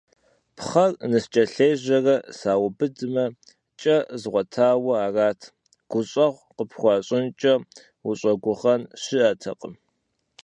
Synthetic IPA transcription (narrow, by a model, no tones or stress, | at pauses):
pχɐrnɨst͡ʃʼɐɬeːʑɐrɐsaːwʊbɨdɨmɐ | t͡ʃʼɐzʁʷɔtʰaːwɐaːraːtʰ | ɡ̥ʷʊɕʼɐʁʷqəpxʷɑːɕʼɪnt͡ʃʼɐ | wʊɕʼɐɡʷʊʁɐnɕɪaːtʰɐqʼəm